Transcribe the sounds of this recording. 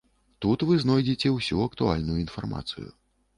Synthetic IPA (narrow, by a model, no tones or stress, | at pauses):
t̪ut̪vɨznɔjd͡zʲit͡sʲɛwsʲuɐkt̪ua̰lʲnujuin̪farma̰t̪sɨ̰jṵ